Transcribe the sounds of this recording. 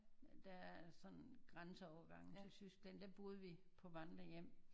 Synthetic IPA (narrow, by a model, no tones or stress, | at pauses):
d̥ææsɒ̽nɡ̥ʁansəɒʊɐɡ̥ɑ̈ŋ̰n̩selsysɡ̥lænd̥æb̥o̝ð̞̩ˠʋipʰɒ̽ʋɑn̥lɐjem̰